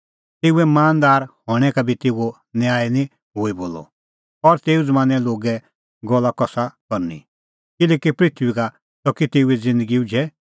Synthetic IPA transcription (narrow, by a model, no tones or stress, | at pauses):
t̪eːuɛmaːnd̪aːɾhɔ̃ːɛkabʱit̪eːuo | njaːinĩ | ɦoiboːlɔ̰ | ɔɾt̪eːud͡zmãːnɛloːɡɛ | ɡɔlakɔsakɔɾnḭ | kɪlɛːkipɾit̪ʰʋika | t̪ɔkit̪eːuɛd͡zɪ̃nd̪əɡiud͡ʒɛ